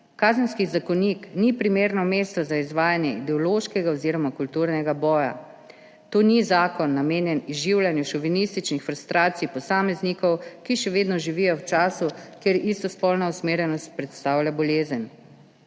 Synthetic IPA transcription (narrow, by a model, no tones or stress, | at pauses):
kaːzənskizakɔniknipɾimeːɾnɔmeːst̪ɔzaizʋaːjanjɛid̪ɛɔloʃkɛɡaɔziɾɔmakult̪uɾnɛɡabɔːja̰ | t̪oːnizaːkɔnːameːnjɛnizʒiwlʲjanjuʃɔʋinist̪it͡ʃnixfɾust̪ɾʔaːt̪sijpɔsaːmɛznikɔwkiʃɛʋeːd̪nɔʒiʋijɔwt͡ʃaːsukeɾist̪ɔspɔlnausmeːɾjɛnɔst̪̚pɾɛt̪st̪aːwlʲjabɔleːzən